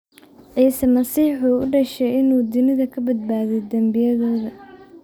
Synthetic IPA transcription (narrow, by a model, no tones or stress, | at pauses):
ʔɛsɐmɐsiːħuʊɖɐʃɛjɪnuːd̪ʊnɪðɐkʰɐbɐd̪̚baːðɛjd̪ɐmbɪjɐðɔːðɐ